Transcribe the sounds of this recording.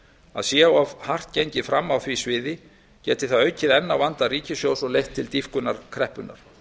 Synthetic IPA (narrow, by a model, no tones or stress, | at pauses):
a̰ðsjɛawavhar̥t̪ceɲcɪfɾamːawθvisvɪːðɪ | cɛːt̪ɪ̥θaðœɥcɪðɛnːawvant̪ariːcɪsjowsɔlejht̪ʰːɪlt̪ifkʏnːaɾ̥kʰɾɛhpʏnːa̰ɾ̥